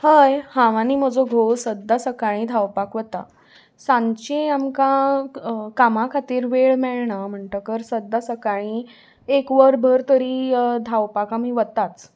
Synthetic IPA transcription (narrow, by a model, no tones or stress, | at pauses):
həjhãʋãniːm̤əd͡zoɡʱosəd̪ʱːasəkaɭ̃ĩːd̪ʱawpakʋət̪a̰ | sãnt͡ɕeamkã | kamakʰat̪iːɾʋeɭmɛɭɳam̤əɳʈəkəɾsəd̪ːasəkaɭ̃ĩ | ekʋəɾbʱəɾt̪əɾiːd̪ʱawpakamĩʋət̪ːat͡s